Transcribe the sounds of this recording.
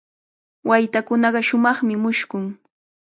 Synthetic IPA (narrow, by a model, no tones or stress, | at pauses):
wajt̪akʊnɑɢɑʃʊmɑχmɪmʊʃkʊŋ